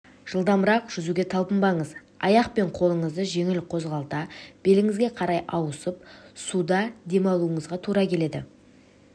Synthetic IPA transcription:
ʒ̥əlˠd̪ɑmbəɾɑqʒ̥ʏzuɡʲe̞t̪ʰɑlˠpəmbɑɴəz | ɑ̰jɑqpe̞ɴqʰo̞lˠəɴəzd̪əʒe̞ŋɪlqʰo̞zʁɑlˠt̪ɑb̥e̞lɪŋɪzɡʲe̞qʰɑɾɑjʔɑwəsəpsud̪ɑd̪e̞mɑlˠuəɴəzʁɑt̪ʰuɾɑkʲʰele̞d̪ɪ̰

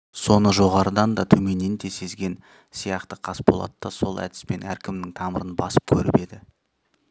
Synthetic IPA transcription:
so̞nəʒo̞ʁɑɾəd̪ɑnd̪ɑt̪ʰɵme̞nent̪e̞se̞zɡʲe̞n | sijɑqt̪əqʰɑsbolˠɑ̰t̪ːɑso̞lˠæ̰d̪ɪ̥spe̞næ̰ɾkʲɪmnɪŋt̪ʰɑməɾənbɑ̰sə̥p̚kʲʰɵɾɪpe̞d̪ɪ

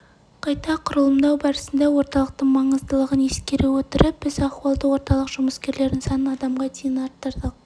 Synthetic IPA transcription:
qʰɑjt̪ɑqʰʊɾəlˠəmd̪ɑwbɑɾəsənd̪ɑwo̞ɾt̪ɑlˠəq̚t̪əɴmɑɴəzt̪əlˠəʁəneskʲe̞ɾewɵt̪ɪɾɪp̚b̥ɪzɑχwɑlˠd̪əwo̞ɾt̪ɑlˠəqʒ̥ʊməskʲe̞ɾle̞ɾd̪ɪŋsɑnənɑd̪ɑmʁɑt̪ʰijənɑɾt̪ːəɾd̪əq̚

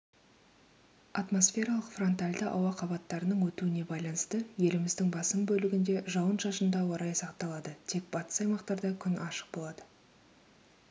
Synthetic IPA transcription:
ɑt̪mo̞sfʲe̞ɾɑlˠəqfro̞nt̪alʲd̪ɪʔɑ̰wɑqʰɑbɑt̪ːɑɾənəɴwɵt̪uɪne̞bɑjlˠɑnəst̪əje̞lɪmɪzd̪ɪŋbɑsəmbɵlɪɡʲɪnd̪e̞ʒɑwənʒɑʃənd̪ɑwoɾɑjsɑqt̪ɑlˠɑd̪ət̪ʰe̞k̚b̥ɑt̪ə̥sɑjmɑqt̪ɑɾd̪ɑkʲʰʏnʔɑʃə̥q̚bo̞lˠɑd̪ə

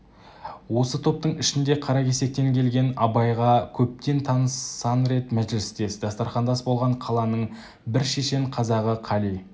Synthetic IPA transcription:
wo̞sət̪ʰo̞p̚t̪əɴɪʃɪnd̪e̞qʰɑɾɑkʲe̞se̞k̚t̪e̞ŋkʲʰe̞lɡʲe̞nɑbɑjʁɑkʲʰɵp̚t̪e̞nt̪ʰɑnəsɑnɾe̞t̪mæʒɪlɪst̪e̞sɪd̪ɑst̪ɑɾχɑnd̪ɑsbo̞lˠʁɑɴqʰɑlˠɑnəɴ | bɪɾʃe̞ʃe̞ɴqʰɑzɑʁəqʰɑlij

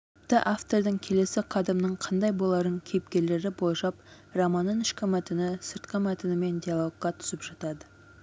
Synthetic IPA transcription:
pt̪əʔaft̪o̞ɾd̪əŋkʲʰe̞le̞sɪqʰɑd̪ɪmnəɴqʰɑnd̪ɑjbo̞lˠɑɾəŋkʲʰejp̚kʲe̞le̞ɾɪbolˠʒɑp | rɑmɑnːənɪʃkʲɪmæt̪ɪnɪsəɾt̪qəmæt̪ɪnɪme̞nd̪ʲijalˠo̞ɡqɑt̪ʰʏ̥sɪpʒ̥ɑt̪ɑd̪ə

